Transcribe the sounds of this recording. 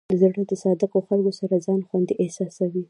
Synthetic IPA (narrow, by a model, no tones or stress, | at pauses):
d̪̥əzaɽəd̪əsɑd̪akoxalkosaɾazɑnxwand̪iʔehsɑsawi